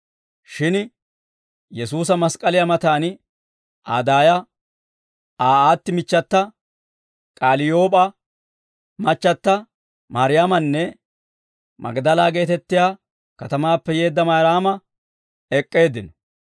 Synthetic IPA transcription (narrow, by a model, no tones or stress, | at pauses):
ʃɪn | jɛsuːs̬ɐmɐskʼɐlɪjamɐt̪aːn | ʔaːd̪aːjɐ | aːaːt̪ːɪmɪt͡ʃːɐt̪ːɐ | kʼaːlɪjo̞ːpʼɐ | mɐt͡ʃːɐt̪ːɐ | maːɾɪjaːmɐnːɛ | mɐ̰ɡd̪ɐlaːɡe̞ːt̪ɛt̪ːɪjaː | kɐt̪ɐmaːpːɛje̞ːd̪ːɐmaːɾaːmɐ | ɛkʼːe̞ːd̪ɪnɔ